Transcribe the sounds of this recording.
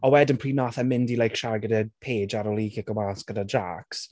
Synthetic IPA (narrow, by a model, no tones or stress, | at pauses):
ɔwɛdənpʰr̥iːnaθɛmɪndilˠajkʃarɡədəpʰeːd͡ʒaɾɔliːɡɛɡɔmasɡ̥ədad͡ʒaks